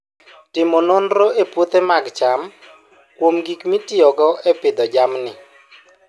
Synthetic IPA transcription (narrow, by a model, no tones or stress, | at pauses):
tɪmononɾoʔepwot̪emaɡt͡ʃam | kwomɡikmitiɔɡɔʔɛpɪd̪ɔd͡ʒamnɪ